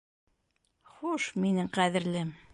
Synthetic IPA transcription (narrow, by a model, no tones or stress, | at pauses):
χuʃminɘŋqæðɘ̆ɾlɘm